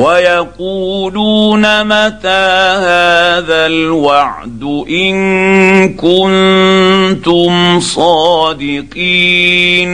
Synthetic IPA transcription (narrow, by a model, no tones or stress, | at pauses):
wajaquːluːnamat̪aːhaːðalwɑʕ | d̪ʊʔɪn | kʊn | t̪ʊmsˤɑːd̪ɪqiːn